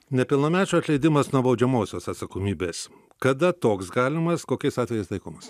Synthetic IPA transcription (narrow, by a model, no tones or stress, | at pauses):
nʲɛpʲɪlˠnɐːmʲæːt͡ʃʲuɐt̪lʲɛɪd̪ʲɪmɐsnuɔbɐʊd͡ʒʲɛmoːsʲoːsɐt̪sɐkoːmʲiːbʲeːs | kɐd̪ɐt̪oːksɡɑːlʲɪmɐskoːkʲɛɪsɑːt̪ʲɛjɛɪst̪ˠɐɪkoːmɐs